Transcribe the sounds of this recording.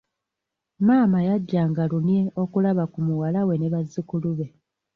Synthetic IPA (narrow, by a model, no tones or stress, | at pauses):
maːmajaɟːaːŋɡaluneo̞kulaβakumuwalawe̞neβazːikuluβe̞